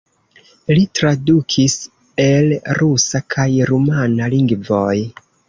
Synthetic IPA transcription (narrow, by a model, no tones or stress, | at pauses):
litɾadukʰis | e̞lɾusakʰajɾumanaliŋɡvo̞j